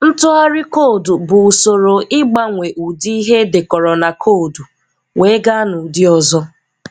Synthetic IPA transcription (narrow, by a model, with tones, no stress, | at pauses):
n̩˦tʊ˦a˦ɾɪ˦ko˦˨du˨bʊ˨so˨ɾo˨ʔɪ˦ɡ͡ba˦ŋʷe˨ʔu˨di˦i˦ɦe˦dɪ˨kɔ˨ɾɔ˨na˨kʰo˦˨du˨ | ŋʷe˨˦ɡa˦nʊ˨dɪ˦ɔ˨zɔ˦